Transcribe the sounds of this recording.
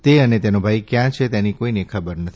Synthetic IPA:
t̪eənet̪enobʱajkjãt͡ʃʰet̪enikoinekʰəbəɾnət̪ʰi

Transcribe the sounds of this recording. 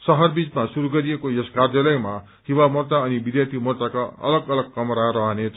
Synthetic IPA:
sʌɦʌrbit͡smasuɾuɡʌɾijekoeskard̪jʌlʌjma | hiwamʌrt̪aʌnibid̪jat̪ʰimort̪akaʌ̰lʌɡʌlʌɡ̚kʌmɾaɾʌɦʌnet͡sʰ

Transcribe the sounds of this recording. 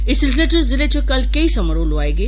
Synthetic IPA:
ɪsɾleʈɾɪszɪlet͡ɕokɐlkɐisɐməɾoloaːeɡeː

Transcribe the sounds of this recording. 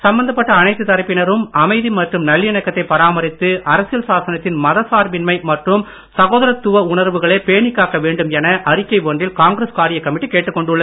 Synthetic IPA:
sɐmbɐnd̪ɐpːɐʈːɐːnɐɪt̪ːɯt̪ːɐɾɐpːɪnɐɾɯmɐmɐɪðimɐʈrɯmnɐlːjɐnɐkːɐt̪ːɐɪpːɐɾaːmɐɾɪt̪ːɯʔɐɾɐsɪjɐlsaːsɐnɐt̪ːɪnmɐðɐsaːɾʋɪnmɐɪmɐʈrɯm | sɐɣoːðɐɾɐt̪ːʊʋɐʊɳɐɾʋɯɣɐɭeːpeːɳɪkːaːkɐʋeːɳɖɯmɛnɐʔɐɾɪkːɐɪʋoɳdrɪlkaːŋɡɾeskaːɾɪjɐkːɐmɪʈːikeːʈːɯkːɔɳɖɯɭːɐ

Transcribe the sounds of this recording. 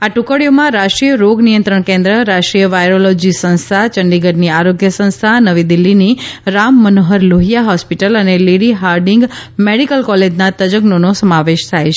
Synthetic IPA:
aʈũkəɽijomãɾaʃʈɾijəɾoɡnijə̃nt̪ɾəɳ̃kẽnd̪ɾəɾaʃʈɾijəʋajɾolɔd͡ʒisə̃ñst̪ʰat͡ʃəɳɖiɡəɾniaɾoɡjəsə̃ñst̪ʰanəʋid̪ilːiniɾamːənoɦəɾloɦijaɦɔspiʈələneliɽiɦaɾɖɪŋɡmeɽikəlkɔled͡ʒnat̪əd͡ʒəɡnonosəmaʋeʃt̪ʰajt͡ʃʰ

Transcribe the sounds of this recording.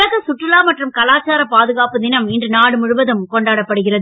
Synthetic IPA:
ɐɣɐsʊʈrɪlaːmɐʈrɯmkɐlaːt͡ʃaːɾɐpaːðɯɣaːpɯd̪ɪnɐmɪndrɯnaːɽɯmʊɻɯʋɐðɯmkɔɳɖaːɽɐpːɐɽɯɣɪrɐðɯ

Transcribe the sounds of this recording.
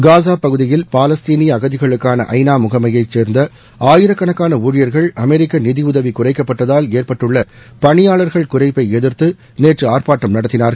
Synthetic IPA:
ɡaːs̬aːpɐɣɯðɪjɪlpaːlɐst̪iːnɪjɐɣɐðɪɣɐɭɯkːaːnɐ̰ʔɐ̰ɪnaːmʊɣɐmɐjɐɪt͡ʃːeːɾnd̪ɐ | aːjɪɾɐkːɐɳɐkːaːnɐuːɻɪjɐɾɣɐɭɐmɛɾɪkːɐnɪðɪʊðɐʋikʊrɐɪkːɐpːɐʈːɐðaːleːrpɐʈːɯɭːɐ | pɐɳɪjaːɭɐɾɣɐɭkʊrɐɪpːɐɪɛðɪɾt̪ɯ | neːʈrɯaːrpaːʈːɐmnɐɽɐt̪ːɪnaːɾɣɐɭ

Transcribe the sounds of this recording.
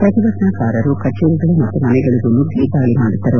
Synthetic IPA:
pɾɐt̪iʋɐknakaːɾɐɾukɐt͡ʃːeɾuɡɐɭumɐt̪ːɐmɐnɛɡɐɭuɡulːuɡiːd̪aːɭimaːɽit̪ːɐɾɐ

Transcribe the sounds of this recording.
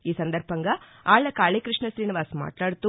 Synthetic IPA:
iːsɐnd̪ɐɾpɐŋɡaː | aːɭːɐkaːɭekɾiʂɳɐʃɾiːniʋaːsma̰ːʈlaːɽt̪u

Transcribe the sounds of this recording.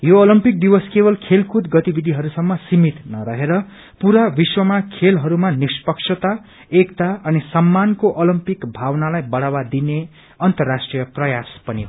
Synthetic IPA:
joolimpik̚d̪iwʌskebʌlkʰelkʰud̪ɡʌt̪ibid̪ʱiɦʌɾusʌmːʌsimit̪nʌɾʌɦeɾʌ | puɾabiswʌmakʰelɦʌɾumanispʌksʰʌt̪a | ekt̪aʌnisʌmːankoʔolimpikbʱawnalajbʌɽawad̪ine | ʌnt̪ʌrːasʈrijʌprʌjaspʌniɦ

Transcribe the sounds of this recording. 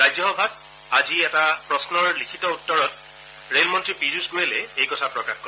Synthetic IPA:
ɹajd͡ʒɔɦɔbʱat̚ | aziɛtapɹɔsnɔɹlikʰitɔutːɔɹɔt̚ | ɹelmɔntɹipizusɡujelɛejkɔtʰapɹɔkaxkɔ

